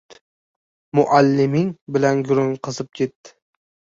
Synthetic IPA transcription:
mʊʔalːɪmɪŋbɪlanɡʊɾʊŋqʰɨzɪp̚kʲʰe̞t̪ːɪ̥

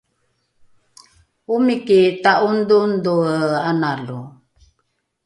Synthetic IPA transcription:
umikit̪aʔundunduəanalu

